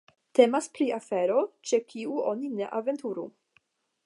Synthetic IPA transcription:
t̪emaspɾiafeɾo̞t͡ʃekʰiuo̞nineʔave̞nt̪uɾu

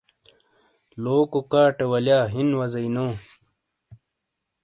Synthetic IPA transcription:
loːkokaːʈewɐljaːɦinwɐzɐinõː

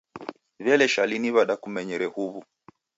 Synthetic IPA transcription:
vjɛlɛʃaliniβaɗakumɛɲɛɾɛhuβu

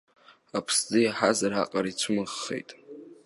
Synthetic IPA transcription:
apʰsd͡zɨjaħazaɾa̰qʼaɾit͡sʷʰʊmɨʁːḛjtʼ

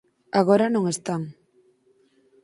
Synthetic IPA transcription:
aɣoɾanõŋest̪aŋ

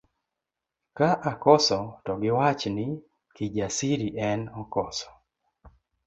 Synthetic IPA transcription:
kaʔakɔsɔtɔɡɪwat͡ʃnɪ | kid͡ʒasiɾiʔɛnɔkɔsɔ̥

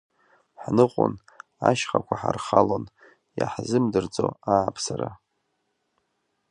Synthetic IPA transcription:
ħnɨqʷʼʊn | aʃχakʷʰaħarχalon | jaħzɨmdɨrd͡zʼoaːpʰsaɾa

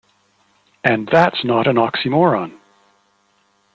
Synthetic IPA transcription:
ɨ̃nðætsnəɾɨ̃nɑksimɔɹɑ̃n

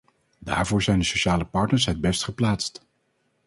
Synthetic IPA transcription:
da̰ːɹvʊːɹzɛjndəsoʃaːləpɑɹtnəɹsɦəd̚bɛstχəplaːtst

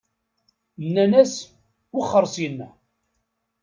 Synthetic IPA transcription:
nːænæs | wʊχːəɾˤsjənːæ

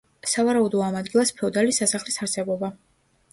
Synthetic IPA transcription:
savaɾaud̪ɔamad̪ɡilˠaspʰɛɔd̪alisːasaχlisaɾsɛbɔba

